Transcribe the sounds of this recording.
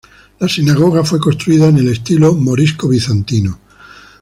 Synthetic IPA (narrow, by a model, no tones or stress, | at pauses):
lasinaɣ̞o̞ɣ̞afwe̞konst̪ɾuiðaene̞le̞st̪ilo̞mo̞ɾiskoβ̞iθant̪ino